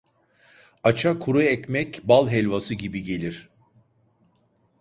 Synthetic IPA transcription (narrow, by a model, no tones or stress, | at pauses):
at͡ʃʰakʰuɾuɛcmɛcbalˠɦɛlʲvasɯɟibiɟe̞lʲiɾ̥